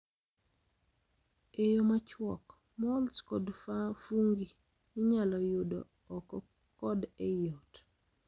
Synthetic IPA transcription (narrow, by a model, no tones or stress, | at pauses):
ejomat͡ʃwɔk | mɔlskɔdfafuŋɡi | nɪɲalɔjodo̰ː | kɔ | kɔdejot